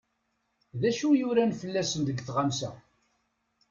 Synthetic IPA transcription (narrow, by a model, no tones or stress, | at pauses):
ðæʃujʊɾænfəlːæsənd̪əɡθʁamsæ̰